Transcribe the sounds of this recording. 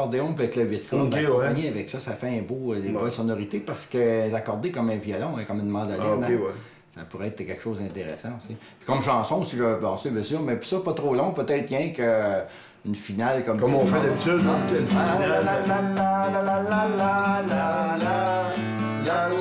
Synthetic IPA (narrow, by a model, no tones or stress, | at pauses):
ɔʁd̪eɔ̃pøɛt̪ləwɪt̪̚kɔd̪kɔ̃aɲeavɛksɔsafɛɛ̃bolebɛlsɔnɔʁit̪epaʁsə̥kəɛt̪akɔʁd̪ekɔmɛ̃vjɔlɔ̃ɛ̃kɔmɛ̃nmɑ̃d̪alɛnwɛ | sapuʁɛɛːt̪əkʲɛlkə̥ʃozd̪ɛ̃t̪eʁḛsãusi | pi̥kɔmʃɑ̃ːsɔ̃siʒəbɑ̃sebɛ̃syːʁmɛpi̥sɔpɔt̪ʁolɔ̃pøt̪ɛɪt̪̚jɛ̃kə | ynfinalkɔmkɔmɔ̃fɛd̪abit͡s̪yd̪d̪ɑ̃t̪ɛnfaaalaaalalalalalla